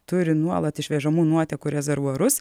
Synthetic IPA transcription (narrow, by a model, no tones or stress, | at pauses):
t̪ʊɾʲɪnuɔlˠɐt̪ɪʃʲʋʲɛʒɐmuːnuɔt̪ʲɛkuːɾʲɛzʲɛɾʋuɔɾʊs